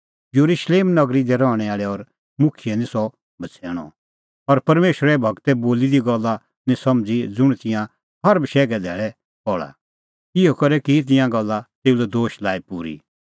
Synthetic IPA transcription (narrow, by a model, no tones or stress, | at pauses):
joɾuʃleːmnɐɡɾid̪ɛɾɔːɽ̃ɛaːɭɛɔɾ | mʊkʰijɛnĩsɔ | bʱɐt͡sʰɛːɽ̃ɔ̰̃ | ɔɾpɐɾmeːʃɾɛbʱɐɡt̪ɛboːlid̪iɡɐlːa | nĩsɐmd͡zid͡zʊɽ̃t̪ɪ̃jã | ɦɐɾbʃɛːɡɛd̪ʱɛːɭɛ | pɔɭa̰ | ɪɦɔkɐɾɛkit̪̬ɪ̃jãɡɐlːat̪eːulɛd̪oːʃlaːipuːɾḭ